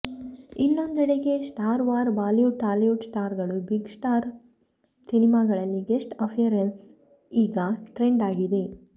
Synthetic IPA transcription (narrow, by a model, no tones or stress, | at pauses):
inːo̞nd̪ɐɽeɡe̞sʈaːɾʋaːɾʋaːljuʈaːljuʈsʈaːɾɡɐɭubiɡsʈaːɾ | sinimaɡɐɭɐlːiɡesʈɐpʰijɐɾens | iːɡɐʈɾeɳɖaːɡid̪e̞